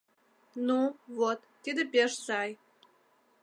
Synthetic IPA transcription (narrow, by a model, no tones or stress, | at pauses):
nuvot̪ːid̪ĕpʲeʃsɑj